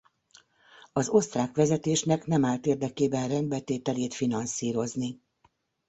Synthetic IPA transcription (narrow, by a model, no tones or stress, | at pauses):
ɒzo̞st̪raːkʋɛzɛt̪eːʃnɛkn̪ɛmaːlt̪eːrd̪ɛkeːbɛnrɛnd̪̚bɛlt̪eːt̪ɛleːt̪finɒnsiːɾo̞zni